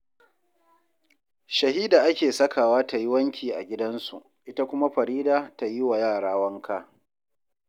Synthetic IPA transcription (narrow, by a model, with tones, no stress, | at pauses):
ʃɐ˨ɦiː˦da˨ʔa˦kʲeː˨sɐ˦kaː˨waː˦ta˨ji˦wɐ˦ŋkʲiː˨ʔa̰˨ɡʲɪ˦dɐ˦nsu˨ʔ | ʔɪ˦ta˦kʷʊ˦ma˦ɸɐ˨ɾiː˦daː˨ta˨ji˦wa˨jaː˦˨ɽaː˦wɐ˦ŋkʰa˦